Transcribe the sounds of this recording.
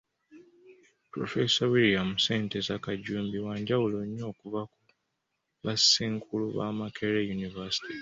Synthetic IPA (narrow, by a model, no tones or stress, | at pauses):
pɾo̰fesawilijamuse̞ːntezakaɟuːmbiwaːɲɟawuloɲːo̞ːkuvaku | βasiːŋkʰuluβa̰makʰeɾejunivasi̥ti